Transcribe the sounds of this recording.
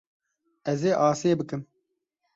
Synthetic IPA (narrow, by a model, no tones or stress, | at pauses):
ɛzeːʔɑːseːbɨkɨm